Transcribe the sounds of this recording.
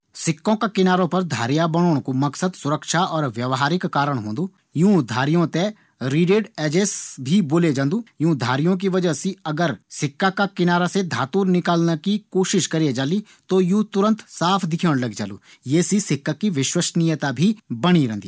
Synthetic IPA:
sɪkːõkakɪnaːɾõpɐɾd̪ʱa̰ːɾijabɐ̃oːɽ̃kumɐksəd̪sʊɾəkʃaɔːɾʋjɐʋɦaːɾɪkːaːɾəɽ̃ɦõːnd̪uː | jũːd̪ʱaːɾijõt̪e | ɾiːɖeːɖɛːd͡ʒeːsbʱiboːled͡ʒãːnd̪ujũːd̪ʱa̰ːɾijõk̬iʋɐd͡ʒəsiɐɡəɾsɪkːakakɪnaːɾased̪ʱaːt̪uːɾnɪkaːlnakikoːʃɪʃkɐɾied͡ʒaːli | t̪ojũːt̪ʊɾə̃nt̪saːpʰd̪ɪkʰjeːɽ̃lɐɡd͡ʒa̰ːlṵːjeːsisɪkːakːiʋɪʃwəʃnɪjət̪abʱibɐɽ̃iɾɛ̃ːnd̪iː

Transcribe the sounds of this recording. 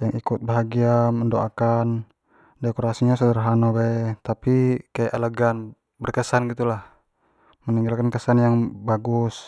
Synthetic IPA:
jaŋʔikut̪̚baɦaɡiaməndoakan | dɛkɔɾasiɲasɔdəɾɦanɔbat̪apikajaʔɛlɛɡan | bərkəsanɡit̪ulah | məniŋɡalkankəsanjaŋbaɡus

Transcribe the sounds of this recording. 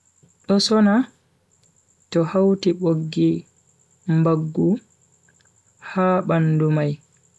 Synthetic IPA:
ɗɔsɔna | tɔhawtiɓoɡːi | mbaɡːu | haːɓandumaj

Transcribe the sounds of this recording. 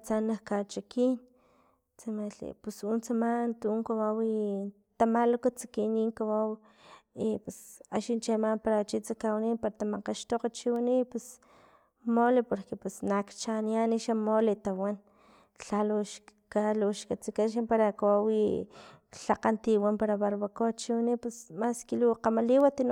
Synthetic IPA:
t͡sanakat͡ʃakiːn | t͡samalḭpusunt͡samant̪uuŋkawawi | t̪amalokat͡sḁkiniːŋkawaw | ipesa̰ʃint͡ʃemampaɾat͡ʃit͡sakawniːnpaɾat̪amaqaʃt̪oqat͡ʃiwinipwes | molepoɾkepesnakt͡ʃanianiʃamolet̪awan | ɬaloʃkaloʃkat͡sikaʃ̬ampaɾakawawi | ɬaqant̪iwampaɾaβaɾβakot͡ʃiwanipesmaskiluqamaliwat̪in

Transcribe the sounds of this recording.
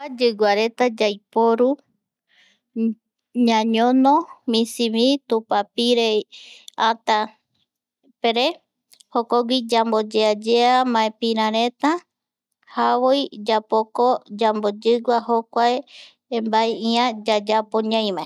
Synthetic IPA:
ad͡ʒɨɡʷaɾe̞t̪ad͡ʒajpoɾu | ɲãɲõnõmĩsiβit̪upapiɾe | ãt̪a | peɾe | hokoɡʷid͡ʒambod͡ʒead͡ʒeamãepĩɾ̃ãɾẽ̞t̪a | hawojd͡ʒapokod͡ʒambod͡ʒɨɡʷaɦokʷae | mbaeiãd͡ʒad͡ʒapoɲãj̃mãe

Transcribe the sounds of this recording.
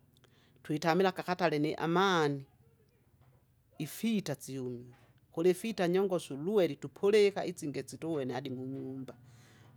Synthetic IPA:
twitamilakakatalɛnɛʔa̰mani | fitat͡siumi | xulɛfitaɲɔŋɡɔsuluwɛlitupʰɔlɛkaʔit͡siŋɡɛt͡sitɔwɛnɛadimuɲumba

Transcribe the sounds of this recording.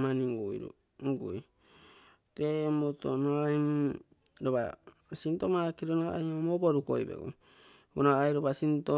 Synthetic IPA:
maniŋɡujɾṵ | ŋɡuj | temoto̰noaim | ɾoβa̰ | sintomakiɾonaa̰jomoboɾuko̰jbḛɡṵ | unaajɾoβasinto

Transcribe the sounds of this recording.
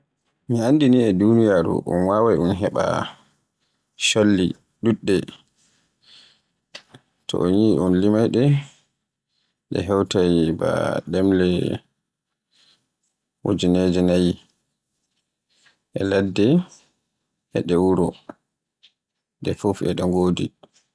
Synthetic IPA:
miandiniɛdunijaɾṵʔṵnwawajunɦɛɓa̰ | ʃolːḭ | ɗuɗːɛ | tɔ̰ʔɔnjiʔɔnlimajɗɛ | ɗɛ̰ɦɛwtajba̰ɗɛmlɛ | wo̰d͡ʒinɛd͡ʒɛnaji | ʔɛladːɛ | ʔɛɗɛwuɾɔ | dɛfofɛ̰ɗɔŋɡoːdi

